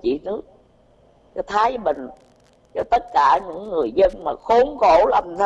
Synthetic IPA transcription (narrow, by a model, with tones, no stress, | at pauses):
t͡ɕḭ˧˨nɨ˦˥ək̚ | t͡ɕɔ˧t̪ʰaː˨˦jmï˨˩ŋ̟ | t͡ɕɔ˧t̪ə˦˥t̚kaː˧˩ɲɨ̰˧˥ŋːɨ˨˩əjzə˧nmaː˨˩xo˨˦nxo˧˩lə˧˩mt̪ʰ